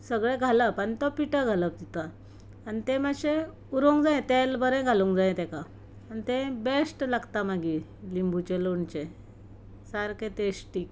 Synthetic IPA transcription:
səɡɭẽɡʱaləpaɳt̪ɔpiʈəɡʱaləp̚d̪it̪aː | nit̪ɛ̃məɕẽ | uɾõŋɡd͡zajẽt̪elbəɾɛ̃ɡʱalũŋkd͡zajẽt̪ɛ̃ka | anit̪ɛ̃besʈlaɡt̪amaɡi | limbʱut͡ɕeloɳt͡ɕẽ | saɾket̪esʈiːk

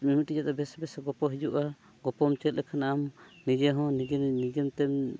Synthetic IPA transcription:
mimutid͡ʒat̪ɔbɛsbɛsaɡɔpɔɦid͡ʒuʔa | ɡɔpɔmt͡ʃɛt̪̚lɛkʰanaʔamnid͡ʒɛɦɔ̃nid͡ʒɛnid͡ʒɛmt̪ɛm

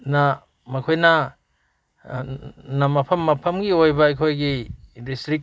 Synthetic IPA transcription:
na | mɐkʰojnɐ | nɐmɐpʰɐmːɐpʰɐmɡiojbɐɐjkʰojɡidistɾik̚

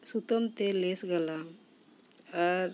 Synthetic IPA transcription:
sut̪əmt̪elesɡəla | əɾ

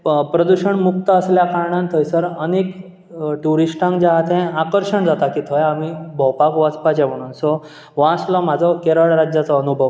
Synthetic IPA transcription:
pɾəd̪uɕəɳmukt̪əːsljakaɾɳãnt̪ʰəjsəɾənek | ʈuɾisʈãŋkd͡ʑaɦat̪ʰɛ̃akəɾɕəɳd͡zat̪akiːt̪ʰɔjamibʱɔwpakʋat͡spat͡ɕam̤əɽ̃uːnsɔ | ʋãslɔm̤ad͡zʱɔkeɾəɭɾad͡ʑjat͡sɔːnubʱəʋ

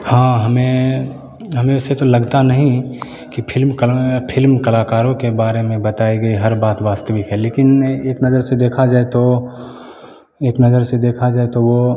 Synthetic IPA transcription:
hãːɦɐmẽ | ɦɐmẽset̪olɐɡt̪anɐɦĩ | kipʰɪlmkpʰɪlmkɐlaːkaːɾõkebaːɾemẽbɐt̪aːiɡɐiɦɐɾbaːt̪ʋaːst̪əʋɪkɦɛleːkɪneːknɐzəɾsed̪eːkʰad͡ʒaːet̪o | eːknɐzəɾsed̪eːkʰad͡ʒaːet̪oʋo

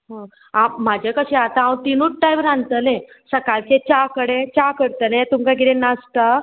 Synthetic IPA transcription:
ɦã | amad͡ʑʱekəɕẽat̪ãawt̪inuːʈ̚ʈajʋɾãnt̪əlẽ | səkalt͡ɕẽt͡ɕakəɽẽt͡ɕakəɾt̪ənẽt̪umkakiɾẽnast̪ə

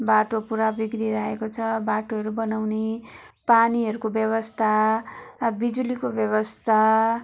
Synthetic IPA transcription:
baʈopuɾabikɾiɾaɦekot͡sʰʌbaʈoɦʌɾubʌnawne | paniɦʌɾukobjʌβʌst̪ʰa | bid͡zulikobjʌβʌst̪ʰa

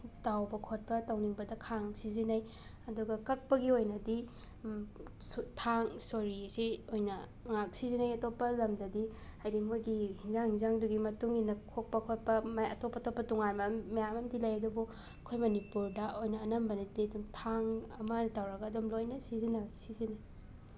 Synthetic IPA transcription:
tawbɐkʰot̚pɐtawniŋbɐdɐkʰaŋsizinaj | ɐduɡɐkɐk̚pɐɡiojnɐdi | stʰaŋsoɾisiojnɐ | ŋak̚sizinajɐtopːɐlɐmdɐdihajdimojɡihinzaŋhinzaŋduɡimɐtuŋinɐkʰok̚pɐkʰot̚pɐmajɐ̰topːɐtopːɐtuŋanmɐmɐjamɐmdilajɐdubu | ɐkʰojmɐnipuɾdɐʔojnɐːnɐmbɐnɐdiɐdumtʰaŋɐmɐtawɾɐɡɐːdumlojnɐsizinɐbɐsizinɐj

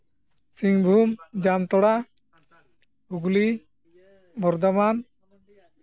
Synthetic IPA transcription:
siŋbʱumd͡ʒamt̪ɔɽa | uɡli | bɔɾd̪ɔman

